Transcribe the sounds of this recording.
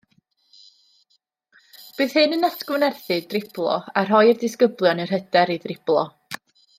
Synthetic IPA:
b̥ɨːðhɨnənatʰɡɨnɛrθɨdrɪblˠɔ̰arɦɔjɪrdɪskəblˠjɔnər̥ɦədɛɾiðrɪb̥lˠɔ

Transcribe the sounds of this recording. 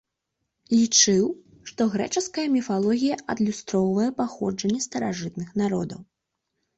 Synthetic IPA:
lʲit͡ʂɨw | ʂt̪ɔɣɾɛ̰t͡ʂɨskɐjɐmʲifalˠɔɣʲijɐʔɐd̪lʲust̪ɾɔwvɐjɛpaxɔd͡ʐɐnʲːɛst̪ɐɾaʐɨt̪̚nɨxnaɾɔ̰d̪ɐw

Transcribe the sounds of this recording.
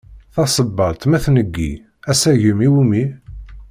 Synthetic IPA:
θɑsˤəbːɑlt̪mæθnəɡːḭ | æsæʝəmiwimi

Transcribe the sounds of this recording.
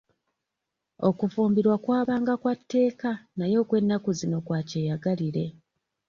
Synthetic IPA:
o̞kufuːmbiɾwakwaːβaːŋɡakwatːe̞ːkanajo̞ːkwe̞nːakuzino̞kwaːceːjaɡaliɾe̞

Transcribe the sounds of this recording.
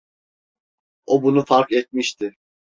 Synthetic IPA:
obunufaɾkɛt̪̚miʃt̪ʰɪ

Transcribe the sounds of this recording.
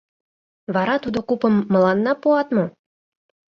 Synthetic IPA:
βɑɾɑt̪ud̪okupə̆mːɤ̆lɑnːɑpuɑt̪mŏ

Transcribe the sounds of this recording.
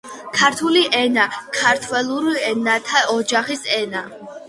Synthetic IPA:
kʰaɾt̪ʰuliʔɛnakʰaɾt̪ʰwɛlˠuɾiɛnat̪ʰaɔd͡ʒaχisɛna

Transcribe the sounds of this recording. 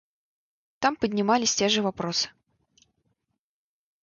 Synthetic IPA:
t̪ampəd̪ʲnʲimalʲisʲt͡sʲɛʐɨvapɾɔsɨ̥

